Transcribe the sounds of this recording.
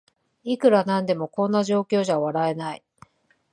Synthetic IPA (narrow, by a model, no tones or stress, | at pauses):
ikɯ̟ɾanãnd̪e̞mo̞kõ̞nːaʑo̞ːkʲo̞ːʑaβaɾae̞nai